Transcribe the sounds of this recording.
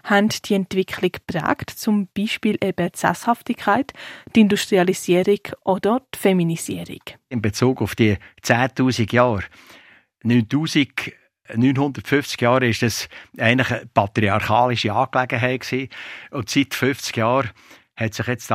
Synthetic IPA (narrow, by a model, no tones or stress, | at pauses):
hɛntd̥iɛntv̥ɪkʰlɪkpʁæ̰ːktt͡sʊmb̥iːʃpiːlʔɛb̥ətsæ̰shɑftɪkʰaɪttɪndustʁiɑlisiəɾɪɡʔod̥ətfɛminisḭəɾɪ̰kɪmbet͡suːɡʊfd̥iət͡sæːtuːsiɡjɑːɾ | nyːntuːsiɡ | nyːnɦʊndəɾtfʏft͡sɡ̥jɑːɾɪʃd̥ɑsɛɪntlɪχəpʰɑt̪ɾiɑɾχɑːlɪʃiɑːklæɡəɦɛɪtksiːʊntsitfʏft͡sɡ̥jɑːɾ | hɛtsɪχjɛt͡st